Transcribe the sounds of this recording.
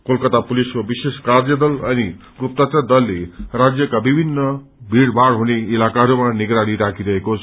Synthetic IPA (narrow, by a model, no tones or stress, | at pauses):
kolkʌt̪apuliskobiseskaɾd͡zʌd̪ʌlʌni | ɡup̚t̪at̪ʌd̪ʌlːeɾad͡zjʌkabibʱinːʌ | bʱiɽbʱaɽɦuneilakaɦʌɾumaniɡɾaɽ̃iɾakʰiɾʌɦekot͡sʰ